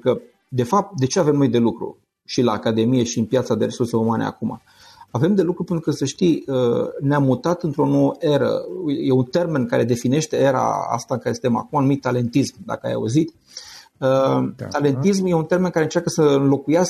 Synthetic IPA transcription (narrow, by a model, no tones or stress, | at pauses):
enukə | d̪e̞fap̚t̪̚d̪e̞t͡ʃe̞ave̞mno̞jd̪e̞lukɾṵ | ʃilaːkad̪e̞mije̞ʃiɨnpjat̪sad̪e̞ɾesurseumanḛa̰kuma̰ | ave̞md̪e̞lukɾupent̪ɾukəsəʃt̪ijəneamːut̪at̪ɨnt̪ɾo̞no̞wəʔe̞ɾə̰ujjeunt̪e̞rme̞nkaɾe̞d̪e̞fine̞ʃt̪e̞e̞ɾa̰a̰st̪aɨŋkaɾe̞sət̪ema̰kumanumit̪̚ːale̞nt̪ismd̪a̰kəa̰ja̰ṵzit̪ | ət̪ale̞nt̪is̬mje̞unt̪e̞rɾme̞nkaɾeɨnt͡ʃarkəsəɨnlo̞kujas